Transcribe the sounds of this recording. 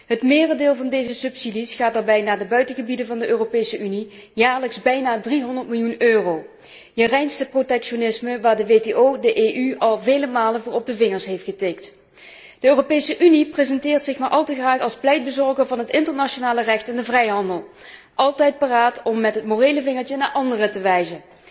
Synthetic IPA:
ɦətmɪːrədɪːlˠvɑndejzəsɵpsidisχaːt̚daːɹbɛjnaːdəbœɥtəɣəbidənvɑndəʔøːropejsəʔyni | jaːɹləkzbɛjnaːdriɦɔndəɹtmɪlˠjunøːrow | jərɛjnsəprotɛkʃonɪsməʋaːɹdəʋeteowdəʔeːʔyɑlˠvejləmaːlənvʊːɹɔb̚dəvɪŋəɹsɦejftxəteːk̚t | d̥əøːropejsəʔyniprezɛntɪːrtsɪxmaːɹʔɑlˠtəɣraːχɑlˠsplɛjd̚bəzɔɹɣəɹvɑnɦətɪntəɹnaʃonaːlərɛxtɛndəvrɛjɦɑndəlˠ | ʔɑlˠtɛjt̚paːraːtɔmːɛtɦətmorejləvɪŋəɹt͡ʃənaːɹʔɑndərətəʋɛjzə

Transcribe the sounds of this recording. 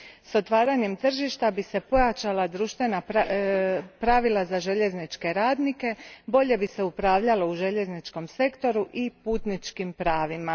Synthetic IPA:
so̞t̪ʋaːɾaɲe̞mt̪r̩ʒiʃt̪abise̞po̞jat͡ʃalˠad̪ɾuʃt̪ʋe̞na | pɾaʋilˠazaʒe̞ʎe̞znit͡ʃke̞ɾaːd̪nike̞bo̞ʎe̞bise̞upɾaːʋʎalo̞uʒe̞ʎe̞znit͡ʃko̞mse̞kt̪o̞ɾuʔipuːt̪nit͡ʃkimpɾaːʋima

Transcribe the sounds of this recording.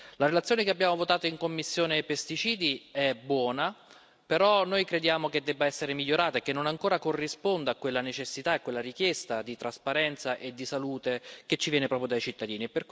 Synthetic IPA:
laɾelat̪sjoːnekeabːjaːmovot̪aːt̪oiŋkomːisːjoːnepest̪it͡ʃiːd̪iɛbːwɔːna | peɾɔnːojkɾed̪jaːmoked̪ːɛbːaɛsːeɾemiʎːoɾaːt̪aekːenːonaŋkoːɾakorːispond̪akːwelːanet͡ʃesːit̪aekwelːaɾik̟jɛst̪ad̪it̪ɾaspaɾɛnt̪saʔed̪ːisaluːt̪ek̟et͡ʃːivjɛːnepɾɔːpɾjod̪ajt͡ʃit̪ːad̪iːniɛpːerk

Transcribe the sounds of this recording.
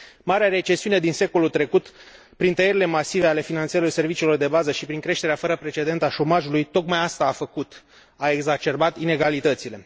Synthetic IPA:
maɾeaɾe̞t͡ʃe̞siune̞d̪inse̞ko̞lult̪ɾe̞kut̪ | pɾint̪əjeɾile̞masive̞ale̞finant̪seilorse̞rvit͡ʃilo̞rd̪e̞bazəʃipɾiŋkɾe̞ʃt̪eɾeafəɾəpɾe̞t͡ʃe̞d̪e̞nt̪aʃo̞maʒulujt̪o̞kmajast̪aːfəkut̪ | ae̞ɡzat͡ʃe̞rbat̪ine̞ɡalit̪ət̪sile̞

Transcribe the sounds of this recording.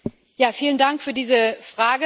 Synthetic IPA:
jaːfiːləndaŋkfyːɐdiːzəfʁ̥aːɡə

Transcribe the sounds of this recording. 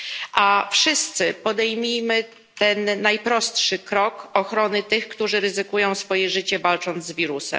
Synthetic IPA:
ʔafʂɘst̪sɘpɔd̪ɛjmʲijmɘ | tt̪ɛnːajpɾɔst̪ʂɘkɾɔkɔxɾɔnɘt̪ɘxkt̪uʐɘɾɘzɘkujɔ̃w̃sfɔjɛʐɘt͡ɕɛvalt͡ʂɔnd̪zvʲiɾusɛ̰m

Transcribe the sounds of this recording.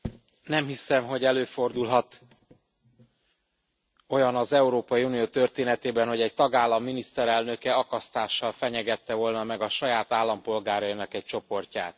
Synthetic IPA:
nɛmhisɛmɦo̞ɟɛløːfo̞rd̪ulɦɒt̪ | o̞jɒnɒzɛuɾoːpɒjiunijoːt̪ø̞rt̪eːnɛt̪eːbɛnho̞ɟɛɟ̚t̪ɒɡaːlːɒmːinist̪ɛɾɛlnø̞kɛɒkɒst̪aːʃːɒlfɛɲɛɡɛt̪ːɛvo̞lnɒmɛɡɒʃɒjaːt̪aːlːɒmpo̞lɡaːɾɒinɒkɛc̚t͡ʃo̞po̞rca̰ːt̪

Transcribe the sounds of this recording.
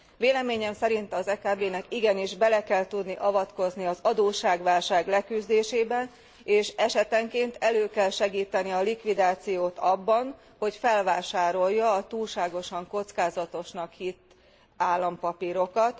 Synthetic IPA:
ʋeːlɛmeːɲɛmsɛɾint̪ɒzɛkaːbeːnɛkiɡɛniʒbɛlɛkɛlt̪ud̪niʔɒvɒt̪ko̞zniɒzɒd̪oːʃaːɡʋaːlʃaːɡlɛkyzd̪eːʃeːbɛn | eːʃɛʃɛt̪ɛŋkeːnt̪ɛløːkɛlʃɛɡiːt̪ɛniɒlikʋid̪aːt̪sijoːt̪ɒbːɒn | ho̞cfɛlvaːʃaːɾo̞jːɒːt̪uːlʃaːɡo̞ʃɒŋko̞t̪skaːzɒt̪o̞ʃnɒkhit̪ː | aːlːɒmpɒpiɾo̞kɒt̪

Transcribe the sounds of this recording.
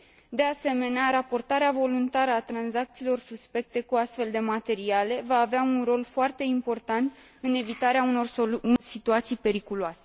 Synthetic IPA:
d̪e̞ase̞me̞neaɾapo̞rt̪aɾeavo̞lunt̪aɾəat̪ɾanzakt̪siːlo̞rsuspe̞k̚t̪e̞kuast̪fe̞ld̪e̞mat̪e̞ɾiale̞vaːveaunro̞lfoart̪e̞impo̞rt̪ant̪ | ɨne̞vit̪aɾeauno̞rosit̪uat̪sijpe̞ɾikuluase̞̥

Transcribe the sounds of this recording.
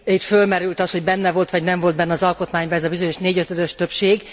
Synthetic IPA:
it̪følmɛɾylt̪ɒsho̞ɟbɛnːɛvo̞lt̪ʋɒɟnɛɱvo̞ld̪bɛnːɛɒːzɒlko̞t̪maːɲbɒɛzɒbizoɲoʃneːɟøt̪ød̪øʃt̪ø̞pʃeːɡ

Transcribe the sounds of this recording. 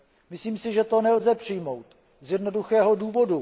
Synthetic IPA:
mɪsliːmsɪʒɛt̪o̞nɛlzɛpr̝̥ɪjmo̞wt̪ | zjɛdno̞duxɛːɦo̞duːvo̞du

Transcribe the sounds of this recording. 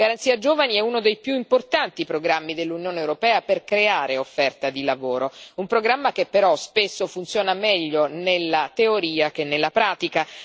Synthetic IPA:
ɡaɾant̪siːad͡ʒoːvaniɛunod̪ejpjuimport̪ant̪ipɾoɡɾamːid̪elːunjoːneːwɾopɛːaperkɾeaːɾeofːɛrt̪ad̪ilavoːɾoumpɾoɡɾamːakepːeɾɔspesːofunt̪sjoːnamɛʎːonelːat̪eoɾiːakenːelːapɾaːt̪ika

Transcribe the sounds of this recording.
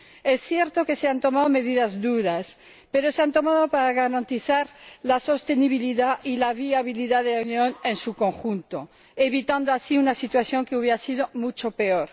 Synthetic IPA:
e̞sθje̞ɾt̪o̞ke̞seant̪o̞maðome̞ðiðazd̪uɾas | pe̞ɾo̞seant̪o̞maðo̞paɾaɣaɾant̪iθaɾlaso̞st̪e̞niβ̞iliðaʔilaβ̞iaβiliðaðe̞launjõ̞ne̞nsuko̞ŋxunt̪o̞ | e̞βit̪and̪oasiunasit̪waθjo̞ŋkeuβjeɾasiðo̞mut͡ʃo̞pe̞o̞ɾ

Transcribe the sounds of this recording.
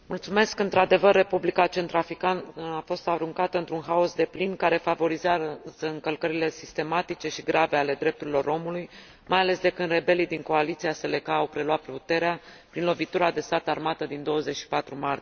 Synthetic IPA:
mult̪sume̞skɨnt̪ɾad̪e̞vərːe̞publikat͡ʃe̞nt̪ɾafikanəafo̞st̪aɾuŋkat̪əɨnt̪ɾunɦao̞sd̪e̞plinkaɾe̞favo̞ɾizeazəɨŋkəlkəɾile̞sist̪e̞mat̪it͡ʃe̞ʃiɡɾʔave̞ale̞d̪ɾe̞p̚t̪uɾilo̞ɾo̞muluj | majale̞sd̪e̞kɨnd̪re̞be̞lijd̪iŋko̞alit̪siase̞le̞kaːwpɾe̞lwat̪̚put̪e̞ɾeapɾinlo̞vit̪uɾad̪e̞st̪at̪armat̪əd̪ind̪o̞wəze̞t͡ʃʃi̥pat̪ɾumart̪i

